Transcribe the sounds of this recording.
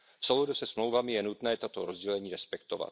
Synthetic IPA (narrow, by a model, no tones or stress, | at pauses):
soludusɛsmlo̞wvamɪjɛnut̪nɛːt̪at̪o̞ɾo̞zɟɛlɛɲiːɾɛspɛkt̪ova̰t̪